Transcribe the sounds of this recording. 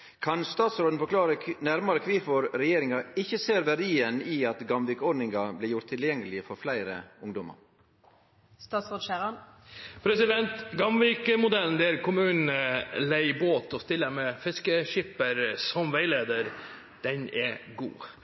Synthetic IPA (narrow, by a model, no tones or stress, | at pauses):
kʰɑnst̪ɑːt̪sɾoːd̪nfɔklɑːɾənæɾmɑɾəkʰʋiːfɔɾɾɛjeːɾɪŋɑɪçːəseːɾʋæɖiːəniːɑt̪ɡɑmʋiːkɔɖ̪nɪŋɡɑblɪːɾjʊɾt̪ʰːɪljɛŋːəlɪəfɔɾflæɪɾə̰ʊŋd̪ɔmɑ̰ɾ | st̪ɑːt̪sʁoːd̪ʃæɾɑnpʰɾɛsɪd̪ɛnt̪ɡɑmʋiːkəmʊd̪ɛlnd̪ɛæɾkʰʊmʉːnn̩əlæɪboːt̪ɔst̪ɪlːəmɛfɪskəʃɪpəɾsɔmʋæɪleːd̪əɾ | d̪̥ɛnɛɡṵː